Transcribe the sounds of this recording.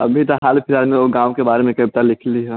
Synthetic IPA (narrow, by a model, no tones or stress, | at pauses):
ɐ̰bʱit̪aɦaːlpʰɪɾaːd͡ʒmẽoɡãːʋkebaːɾemẽkɐb̚t̪alɪkʰliɦɛ